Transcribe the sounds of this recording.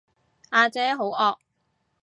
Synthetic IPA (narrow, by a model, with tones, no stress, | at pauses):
aː˧t͡sɛː˨˥ɦo˨˥wɔː˧k̚